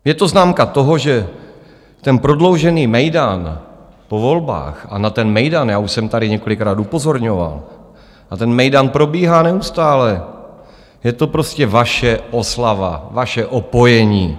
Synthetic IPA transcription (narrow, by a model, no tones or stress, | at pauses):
jɛt̪o̞znaːmkat̪o̞ɦo̞ʒɛ | t̪ɛnpɾo̞dlo̞wʒɛniːmɛjdan | po̞vo̞lba̰ːxa̰nat̪ɛnmɛjdanjaːuʃsɛmt̪adɪɲɛko̞lɪkɾaːt̪upo̞zo̞ɾɲo̞va̰l | ʔat̪ɛnmɛjdanpɾo̞biːɦaːnɛust̪aːlɛ | jɛt̪o̞pɾo̞scɛvaʃɛʔo̞slava̰vaʃɛʔopo̞jɛɲiː